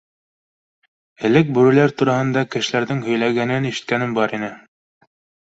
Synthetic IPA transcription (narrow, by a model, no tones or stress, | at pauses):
ɘ̆lɘk̚bɵ̆ɾɘ̆læɾt̪uɾɑhɤ̆nd̪ɑkɘ̆ʃlæɾðɘŋhɵ̆jlæɡænɘniʃɘ̆t̪̚kænɘmbɑɾinɘ